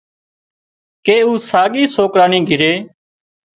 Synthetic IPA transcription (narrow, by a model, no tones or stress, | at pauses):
keːuːsaːɡiːsoːkɾaːniːɡʱɪɾeː